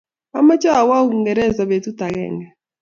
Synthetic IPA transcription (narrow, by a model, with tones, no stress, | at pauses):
a˦ma˦t͡ʃa˦˨wa˦u˦u˨ŋɡɛ˨ɾɛ˦˨za˨βe˨tu˦ta˨ɣɛ̰˦˨ŋɡɛ˨